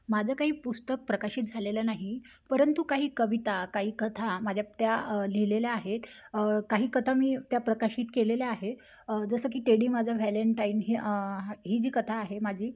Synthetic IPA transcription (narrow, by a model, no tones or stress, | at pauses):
mad͡zʱakaɦiːpust̪ək̚pɾəkaɕiːt̪̚d͡zʱalelanaɦi | pəɾənt̪ukaɦiːkəʋit̪akaɦiːkət̪ʰamad͡ʑʱjat̪jalileljaaɦet̪ | kaɦiːkət̪ʰamiːt̪japɾəkaɕiːt̪keleljaaɦe | d͡zəsək̬iːʈ̪eɽiːmad͡zʱaʋæləɳʈainɦiɦiːd͡ʑiːkət̪ʰaːɦemad͡ʑʱiː